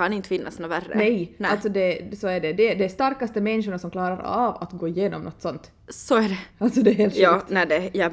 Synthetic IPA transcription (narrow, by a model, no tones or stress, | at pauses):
anɪnt̪fɪnːa̰snoværːə̰nɛjalsɔd̪ɛsɔæɖɛd̪ɛd̪ɛːʂt̪aɾkast̪əmɛnʃʊɳasɔmklɑːɾaɾa̰va̰t̪ɡoːɪjeːnɔ̰mnɔt̪ːsɔnt̪ | sɔæɖɛalt̪sɔd̪ɛːheːlt̪ʃt̪nædɛjɑ